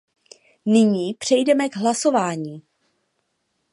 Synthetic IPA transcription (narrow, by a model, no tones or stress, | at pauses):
nɪɲiːpr̝̥ɛjdɛmɛɡɦlaso̞vaːɲiː